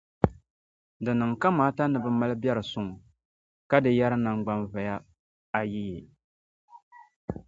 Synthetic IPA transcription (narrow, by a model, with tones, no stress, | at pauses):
dɨ˨nɨ˨ŋka˦maː˦ta˦nɨ˨bɨ˦ma˦lɨ˦bɛ˦ɾɨ˨sʊ˦ŋ˨ | ka˦dɨ˨ja˦ɾɨ˦na˨ŋɡ͡ba˦nva˨ja˦ | a˨ji˦je˨